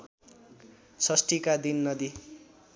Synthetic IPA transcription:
sʰʌsʈikad̪inːʌd̪i

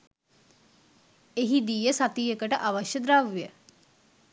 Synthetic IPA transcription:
eɦid̪iːjəsat̪iːjəkəʈəʔaʋaʃjəd̪ɾaʋjə

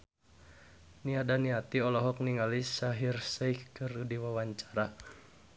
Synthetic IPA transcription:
niadaniat̪iɔlɔɦɔk̚niŋalisaɦirsajkɨrudiwawaɲt͡ʃḁɾa

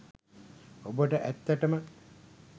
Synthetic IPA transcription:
obəʈəʔæt̪ːəʈəmə

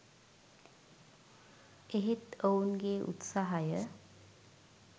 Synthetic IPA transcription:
eɦet̪ounɡeːʔṵt̪saɦajə

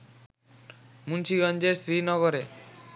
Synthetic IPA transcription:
munʃiɡɔnd͡ʑeɾsɾinɔɡoɾe

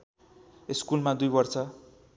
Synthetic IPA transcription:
eskulmad̪ujbʌrt͡sʰʌ

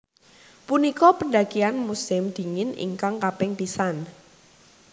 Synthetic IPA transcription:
punikɔpənɖa̤kianmusɪmd̪̥i̤ŋɪnḭŋkaŋkapɪŋpisan

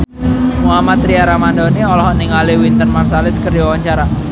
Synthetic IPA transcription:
muɦamat̪ɾiaɾamandɔniɔlɔɦɔʔniŋaliwint̪ənmarsalɪskərd͡ʒawaɲt͡ʃaɾa

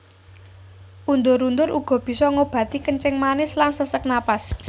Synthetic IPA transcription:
ʔund̪ʊɾund̪ʊɾuɡ̥ɔ̤b̥i̤sɔŋob̥ä̤t̪ikənt͡ʃɪŋmanɪslansəsək̚napas

